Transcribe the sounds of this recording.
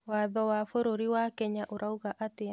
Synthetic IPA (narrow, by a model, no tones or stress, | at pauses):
waðɔwafoɾoɾiwakɛɲaʔoɾauɣaʔatea